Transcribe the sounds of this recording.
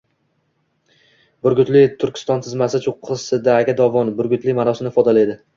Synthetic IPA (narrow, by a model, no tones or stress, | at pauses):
bʊɾɡʲʊt̪lɪt̪ʰʊɾkʲʰɪ̥st̪ɒnt̪ʰɪzmasɪt͡ʃʰoqʰːɨsɪd̪aːɡʲad̪ɒvɒnbʊɾɡʲʊt̪lɪmanɒsɪnɪfɒd̪alajd̪ɪ